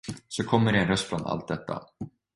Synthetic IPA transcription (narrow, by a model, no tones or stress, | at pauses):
sɔkʰɔmːəɖɛːnɾœst̪fɾɔna̰lt̪̚d̪ɛt̪ːa̰